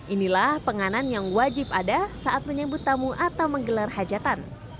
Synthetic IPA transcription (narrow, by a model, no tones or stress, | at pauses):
ʔinilahpəŋananjaŋwad͡ʒɪpadasaʔat̪̚məɲəbʊt̪ːamuʔat̪awməŋɡəlarhad͡ʒat̪an